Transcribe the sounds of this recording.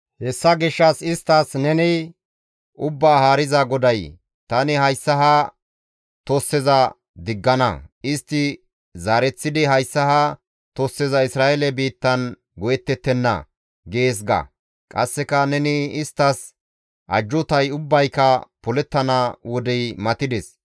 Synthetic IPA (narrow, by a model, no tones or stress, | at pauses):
hɛsːɐɡɪʃːɐsɪst̪ːɐsnɛnɪ | ʔʊbːaːhaːɾɪzɐɡɔd̪ɐj | t̪ɐnɪhɐjsːɐɦɐ | t̪ɔsːɛzɐ | d̪ɪɡːɐnɐ̰ɪst̪ːɪ | zaːɾɛt͡sːɪd̪ɪɦɐjsːɐhɐ | t̪ɔsːɛzɐɪsɾaːʔɛlɛbiːt̪ːɐn | ɡɔjɛt̪ːɛt̪ːɛnːɐ̰ | ɡeːs̬ɡɐ̰ | kʼɐsːɛkɐnɛnɪɪst̪ːɐs | ʔɐ̰d͡ʒːʊt̪ɐjʊbːɐjkɐpɔlɛt̪ːɐnɐwɔd̪ɛjmɐt̪ɪd̪ɛs